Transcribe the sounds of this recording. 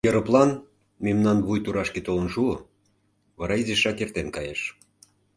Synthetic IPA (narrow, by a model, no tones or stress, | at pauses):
jəɾɤ̆plˠɑn | memnɑnβujt̪uɾɑʃket̪olə̆nʃuo | βɑɾɑizeʃɑkert̪enkɑjeʃ